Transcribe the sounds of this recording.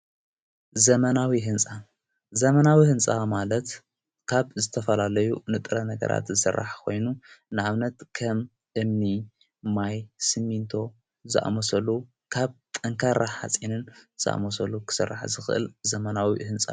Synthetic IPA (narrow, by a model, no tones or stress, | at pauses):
zɐmɐnawiɦɨnt͡sʼa | zɐmɐnawihɨnt͡sʼamalɐt̪ | kʰaβzɨt̪ʰɐfɐlalɐjunɨt̪ʼɨɾɐnɐɡɐ̰ɾʔa̰t̪zɨsɨ̰rːa̰ħkʰo̞jnunɨʔaβnɐt̪kʰɐm | ʔɨmni | majsɨmːint̪ʰo̞ | zɨʔa̰mosɐlu | kʰaβt̪ʼɐŋkʰaɾaħa̰t͡sʼinɨnz̥ɨʔa̰mosɐlukʰɨ̥sɨrːa̰ħzɨxɨʔɨ̰lzɐmɐnawḭhɨnt͡sʼa̰